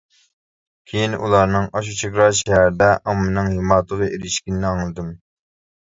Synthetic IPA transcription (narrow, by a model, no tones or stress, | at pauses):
kʲʰejinṵlˠɑɾnɨŋɑʃ̬ut͡ʃʰekɾɑʃɛɦæɾɪd̪ɛʔɑmːɨnɨŋhimɑːt̪ʰəʁɨʔeɾɪʃkʲinnːɪɑŋlˠɨd̪ɨm